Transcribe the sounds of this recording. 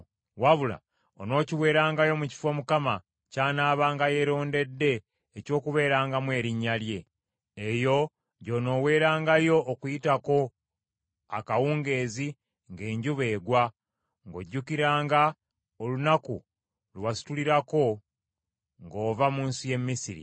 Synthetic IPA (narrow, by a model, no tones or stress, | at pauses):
waβula̰ | ono̞ːciwe̞ːɾaːŋɡajo̞muci̥fo̞mukama | caːnaːβaːŋɡaje̞ɾo̞ːnde̞dːe̞ː | co̞ːkuβe̞ːɾaːŋɡamwe̞ːɾiɲːalje̞ː | jo̞ | ɟo̞no̞we̞ːɾaːŋɡajo̞ʔːkujitako̞ | a̰kawuːŋɡe̞ːzi | ŋɡe̞ːɲɟuβe̞ːɡwa | ŋɡo̞̰ɟːukiɾaːŋɡa | olunaku | lwasi̥tuliɾako̞ | ŋɡo̞ːvamuːnsuje̞mmːisiɾḭ